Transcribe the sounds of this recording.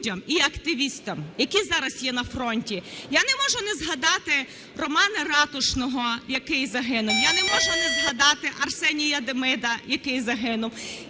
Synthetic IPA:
dʲɐmiɐkt̪ɪʋʲist̪ɐmjɐkizɑɾɐsjɛnɐfrɔnʲtʲijanɛmɔʒʊnɛzɦɐd̪ɑt̪ɪ | rɔmɑnɐrɑt̪ʊʃnɔɦɔjɐkɪjzɐɦɪnʊmjanɛmɔʒʊnɛzɦɐd̪ɑt̪ɪʔɐrsɛnʲijɐd̪emɪd̪ɐjɐkɪjzɐɦɪnʊm

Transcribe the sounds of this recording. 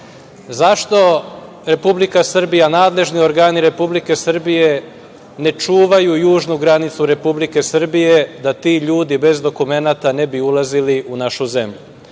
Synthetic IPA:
zaʃt̪o̞ | ɾe̞publikasr̩bijanaːd̪le̞ʒnio̞ɾɡaːniɾe̞publike̞sr̩bije̞ | ne̞t͡ʂuːʋajujuːʒnuɡɾanit̪suɾe̞publike̞sr̩bije̞d̪at̪iʎuːd̪ibe̞zd̪o̞kume̞nat̪ane̞biulˠaziliʔunaʃuze̞mʎu

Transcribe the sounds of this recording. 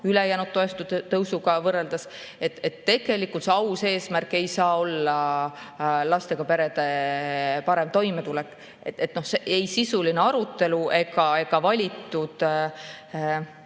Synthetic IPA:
ylejæːnud̪t̪ːo̞est̪ut̪ɤwsuɡ̥ɑvɤrːeld̪̥ɑs | e̞t̪ːet̪ːe̞ɡ̥e̞likːˑult̪seɑwse̞ːsmærkːˑe̞jsɑːo̞lːɑ | lɑst̪e̞ɡ̥ɑpe̞ɾe̞d̪̥e̞ | pɑɾe̞mt̪o̞jmet̪ulɛkːˑ | et̪ːet̪ːno̞hseʔejsisuline̞ɑɾut̪ːˑe̞luʔe̞ɡɑe̞ɡ̥ɑvɑlʲit̪ːˑud̪̥

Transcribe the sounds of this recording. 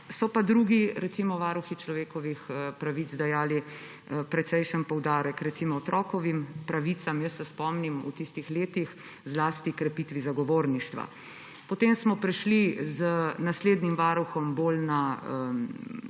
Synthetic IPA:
sɔpad̪ɾuɡiɾɛt̪simɔʋaːɾuxit͡ʃlɔʋeːkɔʋixəpɾaʋit̪zd̪ajaːli | pɾɛt̪sɛjʃənpɔwd̪aːɾəkɾɛt̪simɔɔt̪ɾʔɔːkɔʋimpɾaʋit̪samjəsːɛspɔmnimṵt̪ist̪ixleːt̪ix | zlaːst̪ikɾɛpiːt̪ʋizaɡɔʋoːɾniʃt̪ʋa̰ | pɔt̪emsmɔpɾɛʃlizənasleːd̪nimʋaːɾuxɔmbolnaə

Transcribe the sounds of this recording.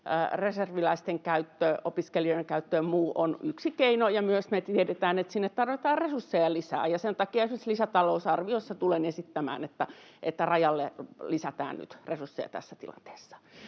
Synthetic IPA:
reserʋilɑist̪eŋkæyt̪ːøopiskeliojeŋkæyt̪ːøːmmuːʔonyksikeinojɑmyøsmet̪ieɾet̪æːnet̪sinːet̪t̪ɑrʋet̪ɑːrresursːejɑlisæ̰ːjɑsent̪ɑkiɑesmislisæt̪ɑlousɑrʋiosːet̪ulenesit̪ːæmæ̰ːnet̪ːæʔet̪ːærɑjɑlːḛlisæt̪æ̰ːnny̰t̪resursːḛjɑ̰t̪æ̰sːæt̪ḭlɑ̰nt̪e̥ːsːɑ̥

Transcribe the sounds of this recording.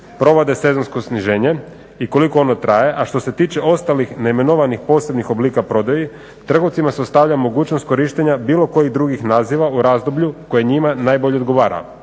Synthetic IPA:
pɾo̞ʋod̪e̞se̞zo̞nsko̞sniʒeːɲe̞ | iko̞liko̞onot̪ɾaje̞ʔaʃt̪o̞se̞t̪iːt͡ʃe̞o̞st̪alixneime̞noʋanixpo̞ːse̞bnixo̞bliːkapɾo̞d̪aji | t̪r̩ɡoʋt̪simaseost̪aʋʎʲamo̞ɡuːt͡ɕnost̪̚ko̞ɾiʃt̪eɲabiːlo̞ko̞jid̪ɾuɡixnaːziʋauɾaːzd̪obʎuko̞jeɲimanaːjbo̞ʎeod̪ɡo̞ʋaːɾa̰

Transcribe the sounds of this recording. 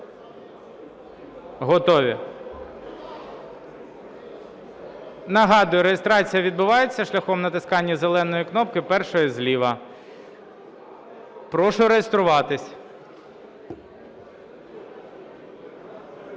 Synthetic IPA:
ɦɔt̪ɔʋʲi | nɐɦɑd̪ʊjʊɾejest̪ɾɑt͡sʲijɐʋʲid̪̚bʊʋɑjet͡sʲːɐʃlʲɐxɔmnɐt̪ɪskɑnʲːɐzelˠɛnɔjiknɔp̚kɪpɛrʃɔjizʲlʲiʋɐ | pɾɔʃʊɾejest̪ɾʊʋɑt̪ɪsʲ

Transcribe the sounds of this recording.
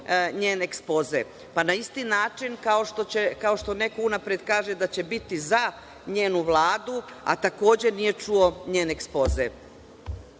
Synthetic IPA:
ɲeːneekspo̞ze | panaist̪iːnaːt͡ʃinkaoʃt̪ot͡ɕe̞kao̞ʃt̪o̞ne̞ko̞unapɾed̪kaːʒe̞d̪at͡ɕe̞bit̪iza | ɲeːnuʋlˠaːd̪ua̰t̪ako̞ːd͡ʑe̞nije̞t͡ʃuo̞ɲeːneekspo̞ːzḛ

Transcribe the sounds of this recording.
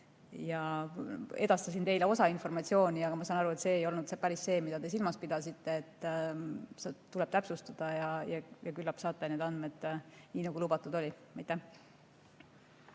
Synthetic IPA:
jɑ | e̞d̪̥ɑst̪ɑsint̪e̞jleo̞sɑinfo̞rmɑt̪ʲsio̞ːnʲiɑɡɑmɑsɑːnɑɾue̞t̪se̞ːjo̞lnud̪sepæɾisːe̞ːmid̪ɑd̪e̞s̬ilmɑspid̪̥ɑsit̪ːe̞ːt̪ː | sɑt̪ulɛb̥t̪æpsust̪ɑd̪̥ɑjɑjɑjɑkylːɑpsɑːt̪ˑːeneːd̪ɑnd̪me̞d̪̥niːnɑɡulubɑt̪ːˑud̪o̞lʲimɑjt̪ːˑæh

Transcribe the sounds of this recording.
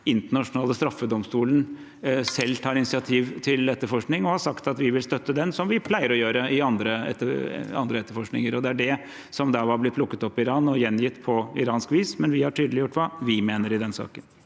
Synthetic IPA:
ɪnt̪əɳɑʂʊnɑːləst̪ɾɑfːəd̪ɔmst̪uːlən̩ | sɛlːt̪ʰɑːɾɪnɪsɪɑt̪ʰiːʋt̪ʰɪlɛt̪ːəɾfɔʂknɪŋɔhɑʂɑkt̪ɑt̪ʋɪʋɪlst̪œt̪ːəd̪ɛnsɔmʋɪpʰlæɪəɾɔjøːɾəɪɑnd̪ɾəɛ̰t̪ːəɑ̰nd̪ɾəɛt̪ːəɾfɔʂknɪŋəɾɔd̪ɛæɖɛ | sɔmd̪ɑːʋɑblɪpʰlʊkːət̪ɔpːɪɾɑːnɔjɛnjɪt̪ːpʰɔɪɾɑːnskʋiːsmɛnʋɪhɑʈʰyːd̪əlɪjʊʈːʋɑʋɪmeːnəɾɪd̪ɛnsɑ̰ːkən

